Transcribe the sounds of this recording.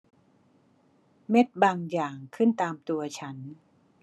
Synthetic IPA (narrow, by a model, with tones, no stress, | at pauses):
me˦˥t̪̚baː˧ŋjaː˨˩ŋkʰɯ˥˩nt̪aː˧mt̪u˧ɐt͡ɕʰa˦˥n